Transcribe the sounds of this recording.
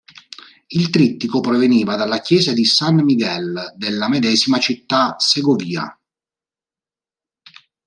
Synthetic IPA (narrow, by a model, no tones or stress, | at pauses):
ilt̪ɾit̪ːikopɾɔveniːvad̪alːakjɛːzad̪isanmiɡɛld̪elːamed̪ɛːzimat͡ʃit̪ːaseɡoviːa̰